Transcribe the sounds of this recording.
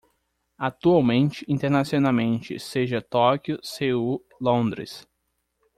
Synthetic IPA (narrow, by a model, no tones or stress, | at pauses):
at̪uawmẽnt͡ʃɪĩnt̪eɾnasionawmẽnt͡ʃɪ̰seʒɐt̪ɔkjʊseu | lõd̪ɾɪ̰s